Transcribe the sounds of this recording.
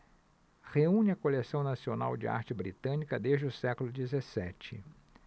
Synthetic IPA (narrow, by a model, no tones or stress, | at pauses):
heũnɪɐkolesɐ̃w̃nasiona̰wd͡ʒɪ̰a̰ɾt͡ʃɪbɾḭt̪ɐ̃nikɐd̪eʒd͡ʒɪʊsɛkʊlʊd͡ʒizesɛt͡ʃɪ̰